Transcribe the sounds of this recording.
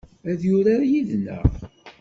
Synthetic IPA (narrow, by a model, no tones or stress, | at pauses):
æðjʊɾajiðnæ̰ʁ